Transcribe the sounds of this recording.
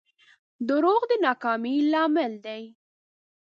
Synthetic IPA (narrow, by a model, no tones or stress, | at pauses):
d̪ʊɾoɣd̪ənɑkɑmilɑːmɪld̪aj